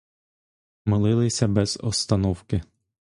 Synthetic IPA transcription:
mɪlˠɪlˠɪsʲɐbɛz̥ɔ̰st̪ɐnɔwkɪ

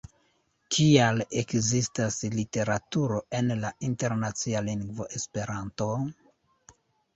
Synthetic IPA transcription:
kʰiale̞kzistaslite̞ɾatuɾo̞ʔe̞nlainte̞ɾnat͡sialiŋɡvo̞̰ʔe̞spe̞ɾanto̞

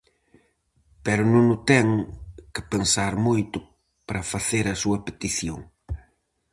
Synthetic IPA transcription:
pɛɾʊnõŋʊt̪ɛŋkɪpensaɾmojt̪ʊ | pɾɐfaθeɾɐsuɐpet̪iθjoŋ

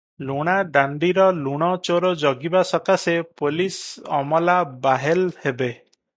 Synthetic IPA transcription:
luɽ̃aɖaɳɖiɾɔluɽ̃ɔt͡ʃoɾɔd͡ʒɔɡibasɔkasepolisɔmɔlabaɦelhebe

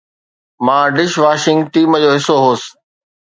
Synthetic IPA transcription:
mãːɖɪʃʋaːʃɪ̃ŋɡ̚ʈiːmd͡ʑoːɦɪsoɦoːsɪ̥

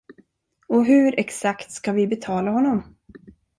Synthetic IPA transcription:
ɔɦɵɾʔɛksakt̪skavɪbɛt̪ʰɑːlaɦɔnːɔm

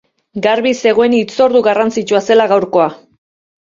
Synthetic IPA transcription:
ɡaɾβise̞ɣo̞enit͡so̞ɾðuɣarant͡sit͡ʃuase̞laɣawɾko̞a

